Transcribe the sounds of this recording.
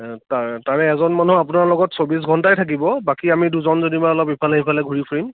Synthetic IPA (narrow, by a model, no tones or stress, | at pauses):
tataɹɛɛzɔnmanuap̬ʊnaɹlɔɡɔtsobis̬ɡʱɔntajtʰak̬ibɔbakiamiduzɔnzonibajɔlɔpipʰalaɦipʰalɛɡʱuɹipʰuɹim